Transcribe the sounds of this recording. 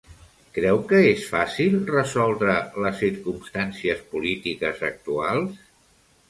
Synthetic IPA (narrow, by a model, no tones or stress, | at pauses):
kɾɛwkəesfasilˠrəzɔlˠd̪ɾələsːiɾkumst̪ansiəspulit̪ikəzək̚t̪ualˠs